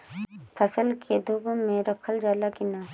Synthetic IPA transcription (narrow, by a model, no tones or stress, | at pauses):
pʰəsəlkʰed̪ʱubmẽɾəkʰəld͡ʒaːlakina